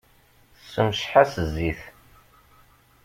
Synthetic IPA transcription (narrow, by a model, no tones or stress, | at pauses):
sːəmʃħasəzːiθ